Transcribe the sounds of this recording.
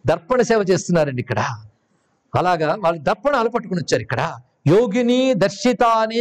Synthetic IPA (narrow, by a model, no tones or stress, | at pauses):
d̪ɐɾpɐɳɐsɛːʋɐt͡ʃeːst̪unːaːɾɐɳɖikːɐɽaː | ɐlaːɡaːʋaːɭːud̪ɐɾpːɐɳaːlup̬ɐʈːukunɔt͡ʃːaːɾuikːɐɽaː | joːɡinid̪ɐɾʃit̪aːne